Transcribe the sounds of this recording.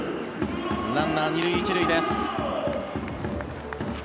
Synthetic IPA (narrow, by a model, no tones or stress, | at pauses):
nãnːaɲiɾɯ̟iːt͡ɕiɾɯ̟id̪es